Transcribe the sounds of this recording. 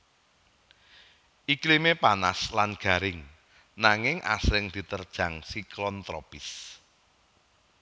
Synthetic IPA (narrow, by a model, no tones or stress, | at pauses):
ʔiklimepanaslanɡ̥a̤ɾɪŋ | naŋɪŋʔa̰sɾɪŋd̪̥i̤t̪ərd̥ʒ̥a̤ŋsiklɔnt̪ɾɔpɪs